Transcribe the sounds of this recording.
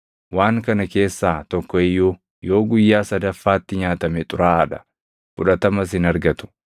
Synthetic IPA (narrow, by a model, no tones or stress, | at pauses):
waːŋkɐnɐke̞ːsːaːt̪ɔkːɔɪjːu | jo̞ːɡʊjːaːsɐd̪ɐfːaːt̪ːɪɲaːt̪ɐmɛt̪ʼʊɾaːɐᶑɐ̥ | fʊᶑɐt̪ɐmɐs̬ɪnɐɾɡɐt̪ʊ̥